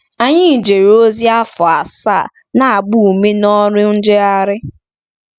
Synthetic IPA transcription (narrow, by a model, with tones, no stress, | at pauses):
a˨ɲɪ˦˨d͡ʒe˨ɾo˦zi˦a˦fʊ˨a˨sa̰˦˨ | na˨a˨ɡ͡bu˦˨me˦nɔ˦ɾɪ˦n̩˦d͡ʒe˦a˦ɾɪ˦